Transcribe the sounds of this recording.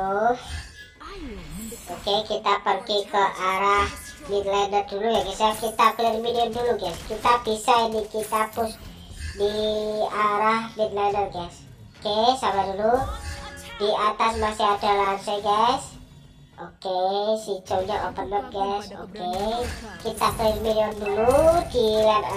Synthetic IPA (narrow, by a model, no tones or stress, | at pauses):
of | okekit̪apərkikəʔaɾah | nit̪laɛnət̪̚dulujaɡasakit̪akəlirmidiənduluɡajskit̪apisainikit̪apʊs | diaɾahnit̪̚lajnət̪̚ɡas | okesamadulu | diat̪asmasɪɦadalansaɡajs | okesit͡ʃowɲaʔopənːɔp̪̚ɡaso̰kekit̪aklirmiliɔnduludilan